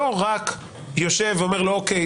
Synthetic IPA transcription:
oʁak | joʃeveomeʁlooke

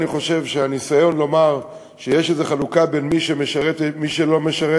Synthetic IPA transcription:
niχo̞ʃe̞vʃeanisajo̞nlo̞maʁ | ʃe̞jeʃezeχalukabe̞nmiʃemeʃaʁet̪miʃelo̞me̞ʃaʁe

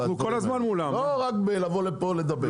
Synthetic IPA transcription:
ukolazmanmulamloʁakbelavolepoled̪ɐbe

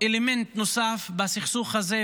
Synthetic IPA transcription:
elemɛnt̪nosafbasiχsuχhaze

